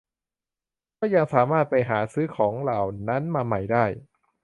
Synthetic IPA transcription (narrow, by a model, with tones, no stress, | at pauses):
kɔː˥˩ja˧ŋsaː˩˦maː˥˩t̪̚pa˧jɦaː˩˦sɯː˦˥kʰɔː˩˦ŋla˨˩wna˦˥nmaː˧ma˨˩jdaː˥˩j